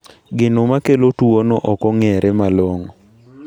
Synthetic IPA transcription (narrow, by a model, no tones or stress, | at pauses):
ɡɪnomakelotuonoʔɔkɔŋɛɾʔɛmaloŋɔ